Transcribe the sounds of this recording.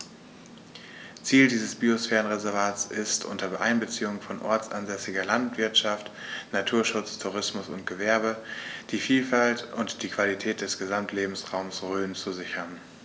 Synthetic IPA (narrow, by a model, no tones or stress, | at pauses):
t͡siːldiːzəsb̥iosfɛːʁənʁezɛɐvaːsɪstʔʊ̰ntɐbʔa̰ɪnbət͡siːʊŋfɔnʔɔɐt͡sʔa̰nzɛsɪɡɐlantv̥ɪɐtʃaftnatʰuːɐʃʊt͡stʰuʁ̞ɪsmʊsʊnt̚ɡ̥əvɛɐbəd̥iːfiːlfaltʔʊntd̥iːkv̥alitʰɛːt̚d̥ɛsɡ̥əzamtʰleːbm̩sʁaʊmsʁøːnt͡suzɪçɐn